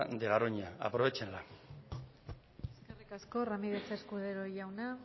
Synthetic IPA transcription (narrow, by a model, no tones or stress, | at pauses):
d̪eɣaɾoɲaa̰pɾo̞βet͡ʃenla | eske̞rikasko̞ramiðe̞t͡seskuðe̞ɾo̞ʝawna